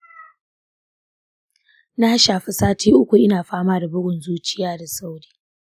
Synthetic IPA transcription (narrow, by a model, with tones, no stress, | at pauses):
na˦ʃaː˨ɸi˦saː˦tʰiː˦ʔʊ˦kʷu˨ʔɪ˦naː˨ɸaː˦maː˦da˨bʊ˦ɽɪ˨nzuː˦t͡ʃɪ˦jaː˦da˨sa˦wde̥ː˦